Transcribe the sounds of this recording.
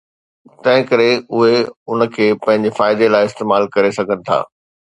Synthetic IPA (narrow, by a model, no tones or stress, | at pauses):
t̪ɐ̃ɦɪ̃kɐɾeʊɦeʊnə̆kʰeːpɐ̃ɦɪ̃ɲ̆d͡ʑefaːɪd̪elaːɪɪst̪eːmaːlkɐɾesɐɡʱənɪ̆t̪ʰa̰ː